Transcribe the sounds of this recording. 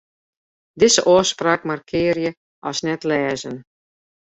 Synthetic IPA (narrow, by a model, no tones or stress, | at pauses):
dɪzəʔɔːspraːkmarkʰɪːrjə | ʔɔsnɛtlɛːzən